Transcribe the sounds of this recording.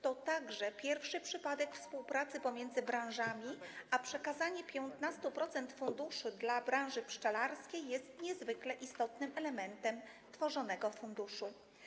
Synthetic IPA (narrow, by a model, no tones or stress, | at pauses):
t̪ɔt̪aɡʐɛpʲjɛɾfʂɘpʂɘpad̪ɛkfspuwpɾat̪sɘpɔmʲjɛnd̪zɘbɾãw̃ʐamʲiapʂɛkazaɲɛpʲjɔnt̪nast̪upɾɔt̪sɛnt̪fund̪uʂɘd̪labɾãw̃ʐɘpʂt͡ʂalaɾskʲejːɛst̪ɲɛzvɘklɛʔist̪ɔt̪nɘmɛlɛmɛnt̪ɛm | t̪fɔʐɔnɛɡɔfund̪uʂu